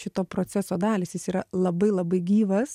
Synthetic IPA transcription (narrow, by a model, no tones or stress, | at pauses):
ʃʲɪt̪oːpɾoːt͡s̪ʲæsoːd̪ɑːlʲɪːsjɪsiːɾɐlˠɐbɐɪlˠɐbɐɪɡʲiːʋɐs